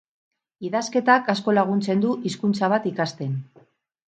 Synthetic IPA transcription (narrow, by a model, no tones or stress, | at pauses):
iðaske̞t̪akasko̞laɣ̞unt͡se̞nd̪uʔiskunt͡saβ̞at̪ikast̪e̞n